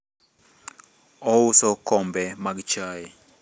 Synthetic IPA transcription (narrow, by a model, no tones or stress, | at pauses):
ɔusɔkɔmbɛmaɡt͡ʃai